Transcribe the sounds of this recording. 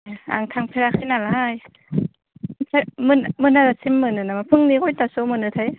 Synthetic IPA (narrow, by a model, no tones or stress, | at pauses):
ʔa̰ŋt̪ʰaŋpʰeɾakʰajnalaj | tʰajmɯnmɯnazasʰimːɯnɯnamapʰɯŋnikojt̪asomɯnɯt̪ʰaj